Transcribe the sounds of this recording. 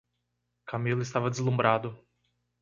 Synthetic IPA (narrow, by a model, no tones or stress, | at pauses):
kamilʊɪst̪avɐd̪ɪzlũmbɾʔad̪ʊ